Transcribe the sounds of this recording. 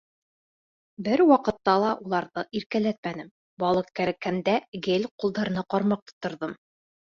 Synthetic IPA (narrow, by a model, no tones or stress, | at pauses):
bɘɾwɑqɤ̆t̪ːɑlˠɑʔulˠɑɾðɤʔiɾkælæt̪̚mænɘm | bɒlˠɤq̚kæɾækːænd̪æɡelʲqulˠd̪ɑɾɤ̆nɑqɑɾmɑq̚t̪ŏ̥t̪ːŏɾðɤm